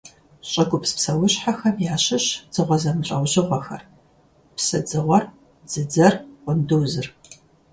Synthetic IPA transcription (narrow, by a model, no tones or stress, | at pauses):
ɕʼɐɡʷʊpspsɐwʊɕħaxɐmjaːɕɪɕd͡z̥ɨʁʷɔzɐmɨɕʼɐwʒɪʁʷɔxɐ̰r | psɐd͡zɨʁʷɔr | d͡zɨd͡zɐrqʷʊndɨwzɨr